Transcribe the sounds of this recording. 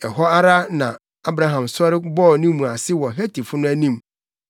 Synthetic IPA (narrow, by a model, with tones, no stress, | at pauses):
ɛ˨ɦɔ˦a˦ɾa˦nã˨ | a˦bɾa˦ɦã˨msɔ˦ɾɪ˦bɔ˦˨nĩ˦mũ˨a˨sɪ˦wɔ˨ɦæ˦tʰi˨fʊ˦nʊ̃˦æ˦nĩ˦m